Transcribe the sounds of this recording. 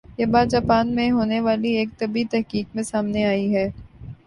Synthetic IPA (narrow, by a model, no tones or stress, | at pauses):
jeːbaːd͡ʒaːpaːnmẽɦoːneʋaːlieːk̚t̪ɐbit̪ɛɦkiːkmẽsaːmneaːiɦɛː